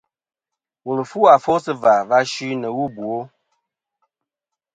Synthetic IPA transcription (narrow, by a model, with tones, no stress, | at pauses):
wo˨lə˨fu˦a˨fo˦sɨ˦va˨va˦ʃʉ˦nə˨wu˦bu˨o˦